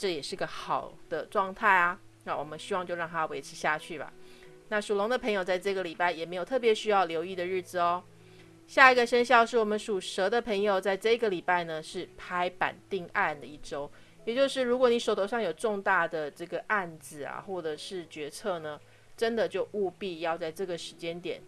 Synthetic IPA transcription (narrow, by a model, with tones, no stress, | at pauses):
ʈ͡ʂɤ˥˩jɛ˨˩ʂɻ̩˥˩˧ɡə˩xɑ˨˩ʊd̪̥ə˧ʈ͡ʂwɑ˥˧ŋt̪ʰa˥˩ɪa˩ | na˥˩wɔ˨˩mə˦nɕi˥wɑ˥˧ŋt͡ɕjo˥˧ɻɑ˥˩ŋt̪ʰa˥we˧˥ɪt͡ɕʰi˧˥ɕja˥˧t͡ɕʰy˥˩ba̰˨˩ | na˥˩ʂu˨˩lo˧˥ŋd̪ə˧pʰɤ˧˥ŋjo˨ʊt͡sa˥˧ɪʈ͡ʂɤ˥˩ɡə˩li˨˩pa˥˩ɪjɛ˨˩me˧˥ɪjt̪ʰɤ˥˩p̬jɛ˧˥ɕy˥jɑ˥˩ʊljo˧˥ʊi˥˩d̪ə˩ɻɻ̩˥˩d͡zɹ̩˩ɔ˨˦ | ɕja˥˩i˧˥ɡə˨ʂə˥nɕ̬jɑ˥˧ʊʂɻ̩˥˩wɔ˨˩mə˦nʂu˨˩ʂɤ˧˥d̪ə˨pʰə˧˥ŋjo˨˩ʊt͡sa˥˧ɪʈ͡ʂɤ˥˩i˧ɡə˩˨li˨˩pa˥˩ɪnə˨ʂɻ̩˥˩pʰa˥ɪpa̰˨˩nt̪i˥˧ŋa˥˩nd̪ə˩i˥˩ʈ͡ʂo˥ʊ | jɛ˨˩t͡ɕjo˥˧ʊʂɻ̩˥˩ɻu˧˥kwɔ˨˦ni˧˥ʂo˨˩ʊt̪o˧˥ʂɑ˥˩ŋjo˨˩ʊʈ͡ʂo˥˧ŋt̪a˥˩d̪ə˩ʈ͡ʂɤ˥˩ɡə˩ʔa˥˩nd͡zɹ̩˨˩a̰˨˩xwɔ˥˩ʈ͡ʂɤ˨˩ʂɻ̩˥˩t͡ɕɥɛ˧˥t͡sʰɤ˥˩nə˩ | ʈ͡ʂə˦nd̪ə˨t͡ɕjo˥˧ʊʔu˥˧pi˥˧jɑ˥˧ʊt͡sa˥˧ɪʈ͡ʂɤ˥˩ɡə˩ʂɻ̩˧˥t͡ɕjɛ˥˦nt̪jɛ̰˨˩˦n